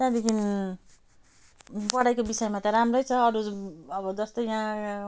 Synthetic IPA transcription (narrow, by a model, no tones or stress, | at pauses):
t̪ãd̪ikʰin | bʌɽajkobisʌjmat̪ʌɾamrʌjt͡sʰʌʌɾuʌbʌd͡zʌst̪ojjã